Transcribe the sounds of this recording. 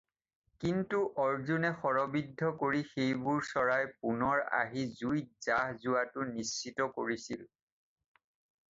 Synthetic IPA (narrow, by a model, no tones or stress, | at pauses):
kintuʔɔɹzunɛxɔɹɔbidʱːɔkoɹixejbuɹsɔɹajpunɔɹa̰ɦizuj̚z̥aɦzuwatʊnisːitɔko̰ɹisil